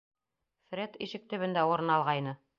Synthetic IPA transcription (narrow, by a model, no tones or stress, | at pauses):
fɾʲet̪iʃɘk̚t̪ɵ̆βɘ̆nd̪æuɾɤ̆nɑlˠʁɑjnɤ